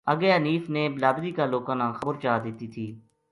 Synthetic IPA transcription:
əɡeːəniːfneːbɪlaːbziːkaːloːkãːnãːxəbəɾt͡ʃaːd̪ɪt̪iːt̪ʰiː

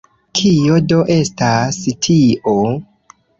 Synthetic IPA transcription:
kʰijo̞do̞ʔe̞stastʰiʔo

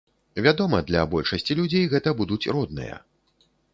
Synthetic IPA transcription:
vʲad̪ɔmɐd̪lʲɐ̰bɔlʲʂɐsʲt͡sʲilʲud͡zʲejɣɛt̪ɐbud̪ut͡sʲrɔd̪̚nɨ̰jɐ̰

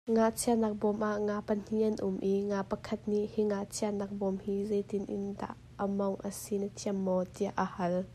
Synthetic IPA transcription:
ŋaʔt͡sʰiɐnak̚bɔmʔaʔŋaːpən̥iɐnʔumʔiŋapəkʰɐt̪̚niʔhiŋaʔt͡sʰiaɐnak̚bɔmhizɛjt̪ɪnʔɪ̰nda̰ʔːəmɔŋʔəsinətʰiəmːɔt̪iaʔːəhɐl

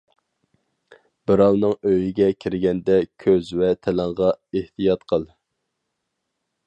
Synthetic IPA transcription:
b̥ɨɾɑlˠnɨŋøjiɡʲɛkʲʰiɾɪɡʲɛnd̪ɛkʲʰøzvɛt̪ʰɛlæŋʁɑeht̪ijɑt̪qʰəlˠ

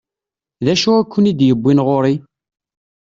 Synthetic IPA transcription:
ðæʃuækʷːənid̪jəbːinʁoɾi

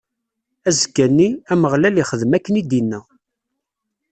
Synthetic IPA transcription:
æzəɡænːiæməʁlæliχəðmækːənid̪inːæ

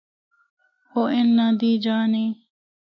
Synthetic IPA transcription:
oːʔɪnːad̪iːd͡ʒaːneː

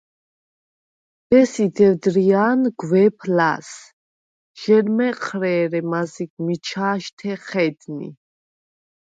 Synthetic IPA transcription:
d̪̥ɛsid̪ɛvd̪ɾiaːnɡwɛpʰla̰s | ʒ̥ɛɾmɛqʰɾɛːɾɛmaziɡmit͡ʃʰaːʃt̪ʰɛχɛd̪nḭ

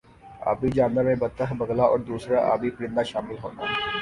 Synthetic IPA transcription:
a̰ːbiːd͡ʒaːnʋəɾmẽːbət̪ːəɦbəɡlaːʔɔːɾd̪uːsɾaːʔa̰ːbiːpɾɪ̃nd̪aːʃaːmɪlɦoːnaː

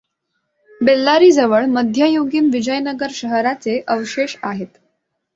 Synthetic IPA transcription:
belːaɾiːd͡zəʋəɭməd̪ʱjəjoɡiːnʋid͡ʑəjnəɡəɾɕəɦɾat͡seʔəʋɕeɕaɦet̪

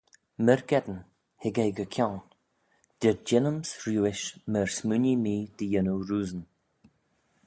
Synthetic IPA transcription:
məɾɡɛd̪ən | hɪɡejɡəkʰʲawn | d̪̥ɪɹd͡ʒɪnəmsɾjuːɪʃməɹsmunimiːd̪̥əjənuɾuːzən

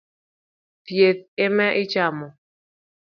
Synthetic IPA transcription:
tjeθ̚ɪmɛʔɪt͡ʃamɔ

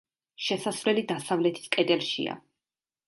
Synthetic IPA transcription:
ʃɛsasvlɛlid̪asavlɛt̪ʰi̥skʼɛd̪ɛlˠʃḭa̰

